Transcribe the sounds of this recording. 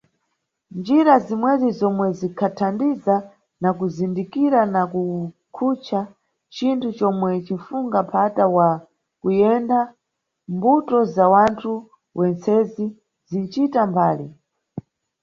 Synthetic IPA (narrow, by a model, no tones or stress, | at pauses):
nd͡ʒiɾazimwɛzizɔmwɛzikʰatʰandiza | nakuzindikiɾanaku | kʰut͡ʃʰa | t͡ʃintʰut͡ʃɔmwɛt͡ʃin̩fuŋɡapʰatawa | kujɛnda | mbutɔzawantʰu | wʔɛnt͡sɛzi | zint͡ʃitambaːli